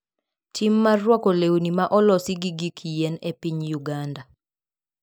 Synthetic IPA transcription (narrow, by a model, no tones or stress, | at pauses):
timːarwɔkɔlewnimaʔɔlɔsiɡiɡikʰijɛnepiɲjuɡanda